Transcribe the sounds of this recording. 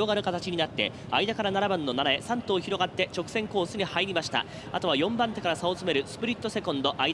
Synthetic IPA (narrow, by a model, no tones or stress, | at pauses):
o̞ɡaɾɯ̟kat̪at͡ɕiɲ̟inat̪ːe̞̰ | a̰id̪akaɾanaɾabanːo̞naɾae̞sãnt̪o̞ːçiɾo̞ɡat̪ːe̞t͡ɕo̞kɯ̥sẽ̞ŋko̞ːsɨɲ̟ihaiɾʲimaɕi̥t̪a̰ | at̪o̞β̞ajõ̞mbãnt̪e̞kaɾasaot͡sɨme̞ɾɯ̟sɨ̥pɯ̟ɾʲit̪ːo̞se̞kõ̞nd̪o̞ʔai